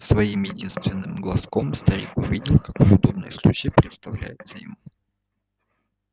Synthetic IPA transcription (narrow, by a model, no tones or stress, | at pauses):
svɐimjɪdʲinst̪vʲɪnːɨmɡlˠɐsko̞mst̪ɐɾʲḭkuvʲidʲɪlʲkɐkojʊd̪o̞b̚nɨ̰jəslˠut͡ɕɪjpɾʲɪt̪st̪ɐvlʲæ̰jɪt̪səjɪ̰mu